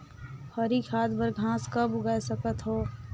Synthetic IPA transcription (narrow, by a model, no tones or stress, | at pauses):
hɔɾikʰaːd̪bəɾɡʱãːskabʊɡaːesəkət̪ɦoː